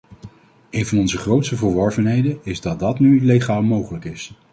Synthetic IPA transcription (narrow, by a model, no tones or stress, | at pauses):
ejnvɑnɔnzəχrowtstəvəɹʋɔɹvənɦejdənɪzdɑt̚dɑtnyleχaːlˠmowχələkɪs